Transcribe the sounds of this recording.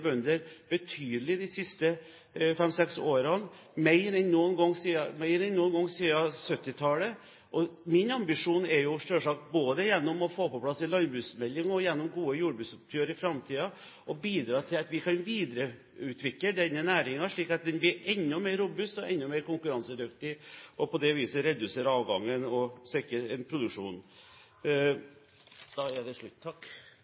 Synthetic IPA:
bœnd̪əɾb̥ət̪ʰyːd̪əlɪd̪ɪsɪst̪ə | fɛmsɛksoːɾɑn | mɛɪɾɛnnuːnɡɔŋːsiːɑmɛɪɾɛnːuːnɡɔŋsiːɑsœt̪ːɪt̪ʰɑːlə | ʔɔmɪnɑmbɪʂuːnɛɾjʊʂʈ̪øːʂɑːk̚boːd̪əjɛnːɔmɔfoːpɔpʰlɑsɪlɑnbɾʉːsmɛlːɪŋɔjɛnːɔmɡuːəjuːɖbʉt̪sʊp̚t̪ʰyːəɾɪfɾɑmt̪ʰiːɑ | ʔɔbiːd̪ɾɑːt̪ʰɪlɑt̪ʋɪkʰɑnʋiːd̪ɾə | ʉːt̪ʰʋɪkləɖɛnːənæːɾɪŋɑʂɭiːkɑt̪̚d̪ɛnblɪɾɛnːʊmeːɾʊbʉst̪ɔɛnːʊmeːɾkʊŋkʉɾɑnsəd̪ʉkt̪ɪʔɔpʰɔd̪ɛʋiːsəɾɛd̪ʉseːɾɑːʋɡɑŋːənɔsɪkːəɛnpʰɾʊd̪ʉkʂuːn | d̪̥ɑɛɖ̪ɛʂɭʉt̪ːt̪ʰːɑk

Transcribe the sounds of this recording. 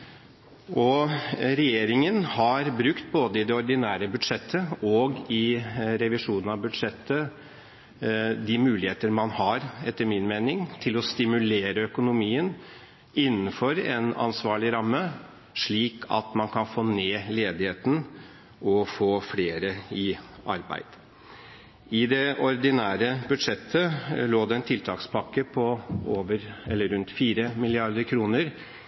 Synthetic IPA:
ʔɔɾɛjeːɾɪŋənhɑɾbɾʉkt̪boːd̪əɪd̪ɛɔɾd̪ɪnæːɾəbʉd̪ʂɛt̪ʰːəɔɡɪɾɛʋɪʂuːnən̩ɑʋbʉd̪ʂɛt̪ʰːə | d̪ɪmʉːlɪheːt̪əɾmɑnhɑɾɛt̪ːəɾmɪnmeːnɪŋt̪ʰɪlɔst̪ɪmʉleːɾəœkʊnʊmiːən | ɪnːəfɔɾɛnɑ̰nsʋɑːɭɪɾɑmːə | ʂɭiːkʰɑ̰t̪mɑnkʰɑnfoːneːleːd̪ɪheːt̪n̩ | ʔɔfoːfleːɾəɪɑɾbæ̰ɪd̪̥ | ɪd̪ɛɔɾd̪ɪnæːɾəbʉd̪ʂɛt̪ʰːəloːd̪ɛɛnt̪ʰɪlt̪ʰɑːkspʰɑkːəpʰɔoːʋəɾɛlːəɾʉnt̪fiːɾəmɪlɪɑɾd̪əɾkʰɾuːnəɾ

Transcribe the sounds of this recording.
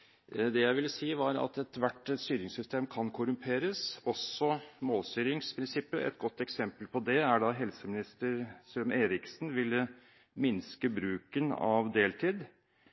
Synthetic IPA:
d̪ɛjæɪʋɪlːəsiːʋɑɾɑ̰t̪ɛt̪ʋæʈːɛst̪yːɾɪŋsʏst̪ʰeːmkʰɑnkʰʊɾʉmpʰeːɾəsɔsːɔmoːlst̪yːɾɪŋspʰɾɪnsɪpːəʔɛ̰t̪̚ɡɔt̪ːɛksɛmpəlpʰɔd̪ɛæɖɑɦɛlsəmɪnɪst̪əɾsømeːɾɪksnʋɪlːə | mɪnskəbɾʉːkənɑ̰ʋd̪eːlt̪ʰiːd̪

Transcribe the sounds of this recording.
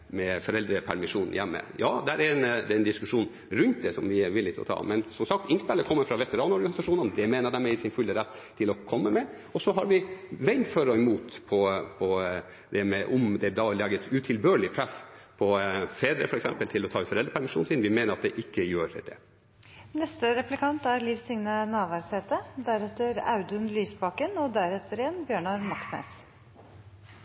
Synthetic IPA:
mɛfɔɾɛld̪ɾəpʰæɾmɪʂuːnn̩jɛmːə̰jɑːd̪ɛæɾɛɾɛnd̪ɛɛnd̪ɪskʉʂuːn | ɾʉnt̪d̪ɛsɔmʋɪʋɪlːɪt̪ʰɔ̰t̪ʰɑ̰ːmɛnsɔmsɑk̚t̪ɪnspɛlːəkʰɔmːəfɾɑʋɛt̪əɾɑːnɔɾɡɑnɪsɑʂuːnənd̪ɛmeːnəɾd̪ɛmɛɪsɪnfʉld̪əɾɛt̪ʰːɪlɔkʰɔmːəmɛ | ɔsɔɦɑɾʋɪʋɛɪnføɾɔɛmuːt̪pʰɔpʰɔ | d̪ɛmɛʔɔmd̪ɛɑlɑːɡət̪ʉt̪ʰɪlbøːɭɪpʰɾɛsːpʰɔfeːd̪ɾə̰fɔɾɛksɛ̰mpəlt̪ʰɪlɔt̪ʰɑːʉfɔɾɛlɾəpʰæɾmɪʂuːnsiːnʋɪmeːnəɾɑt̪̚d̪ɛʔɪkːəjøːɾd̪̥ɛ̰ | nɛst̪əɾɛplɪkʰɑnt̪æɾliːʋsɪŋnənɑːʋæɾseːt̪əd̪æɾɛt̪ːəɾɑ̰ʉd̪ʉnlyːsbɑːkənɔd̪æɾɛt̪ʰːəɾɪjɛnːbjøːɳɑɾmɑksnæ̰s

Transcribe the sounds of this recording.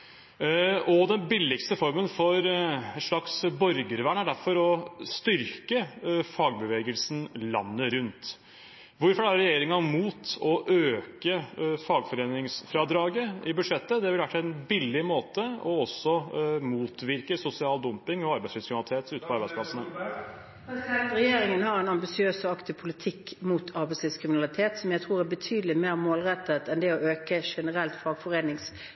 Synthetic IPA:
ɔd̪ɛnbɪlːɪkst̪əfɔɾmənfɔɾʂɭɑksbɔɾɡəɾʋæɳæɖæɾfɔɾɔst̪ʏɾkəfɑːɡ̚bəʋeːɡəlsn̩lɑ̰nːəɾʉnt̪ | ʋʊɾfɔɾæɾɾɛjeːɾɪŋɑmuːt̪ɔʔøːkəfɑːɡfɔɾeːnɪŋsfɾɑːd̪ɾɑːɡəɪbʉd̪ʂɛt̪ːəd̪ɛɪlʋæʈpɛnbɪlːɪmoːt̪əɔɔsɔmuːt̪ʋɪɾkəsʊsɪɑːld̪ʊmpɪŋɔɑɾbæɛɪslɪskɾɪnɑlt̪ʰeːt̪ʉːt̪ə̥pʰɔɑɾbæɪsplɑsənə | ɾɛjeːɾɪŋənhɑɾɛnɑmbɪsɪøːsɔɑkt̪ɪpʰʊlɪt̪ʰɪkːmuːt̪ʰɑɾbæɪslɪskʰʁɪmɪnɑlɪt̪ʰeːt̪sɔmjæɪt̪ʰʁuːʁæɾbət̪ʰyːd̪əlɪmeːʁmoːlʁɛt̪ːət̪ɛnd̪ɛɔʔøːkəʂɛnəɾɛlt̪fɑːɡfɔɾeːnɪŋs

